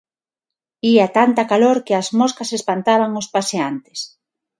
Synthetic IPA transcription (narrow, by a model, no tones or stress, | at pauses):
iat̪ant̪ɐkaloɾkɪɐzmoskasespant̪aβ̞aŋospaseant̪ɪ̥s